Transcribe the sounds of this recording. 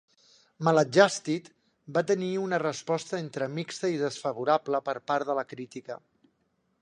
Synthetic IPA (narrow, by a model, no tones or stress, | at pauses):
mələd͡ʒast̪it̪ | bat̪əniunərəspɔst̪əent̪ɾəmikst̪əiðəsfəβuɾabləpəɾpaɾðələkɾit̪ikə̰